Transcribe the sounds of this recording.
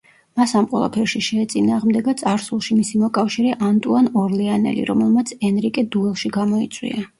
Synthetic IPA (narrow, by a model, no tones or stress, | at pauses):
masamqʼwɛ̰lˠa̰pʰɛɾʃiʃɛːt̪sʼinaːʁmd̪ɛɡat̪sʼaɾsulˠʃimisimɔkʼafʃiɾɛʔant̪ʼuanɔɾlɛanɛ̰lḭɾɔmɛlˠmat̪sʰɛnɾikʼɛd̪uɛlˠʃiɡamɔit̪sʼwḭa